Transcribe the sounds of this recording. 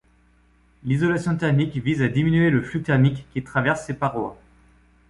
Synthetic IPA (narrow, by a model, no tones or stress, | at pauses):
lizɔlasjɔ̃t̪ɛʁmikvizad̪iminyeləflyt̪ɛʁmikːit̪χavɛʁsːepaʁwa̰